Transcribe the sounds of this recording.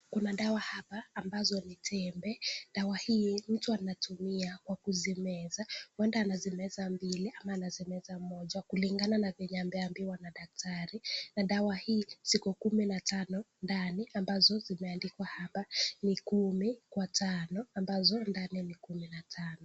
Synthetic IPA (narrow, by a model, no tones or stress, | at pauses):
kunaɗawahapaːmbazɔnitʰɛmbɛɗawahiːm̩tuanatumiakwakuzimɛzawɛndaːnazimɛzambiliʔamaːnazimɛzamɔʄakuliŋɡananavɛɲambɛambiwanaɗak̚tʰaɾinaɗawahiːsikukuminatanɔ | ndaniambazɔzimɛandikwahapanikumikwatanɔambazɔndaninikuminatʰanɔ